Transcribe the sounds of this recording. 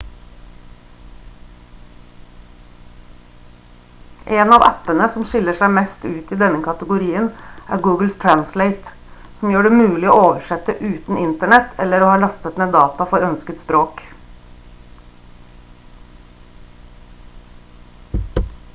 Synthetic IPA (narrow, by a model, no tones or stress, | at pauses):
ʔeːnɑʋæ̰pənəsɔmʃɪləʂæɪmɛst̪ʉːt̪iːd̪ɛnəkʰɑt̪əɡʊɾiːənʔæ̰ːɾɡuːɡl̩st̪ʰɹænsleɪt̪ | sɔmjøːɖɛmʉːlɪoːoːʋəʂɛt̪əʔʉːt̪n̩ʔɪnt̪əɳɛt̪ʰɛlːəɾoːhɑːlɑst̪ət̪neːd̪ɑːt̪ɑfɔɾœnskət̪spɾoːk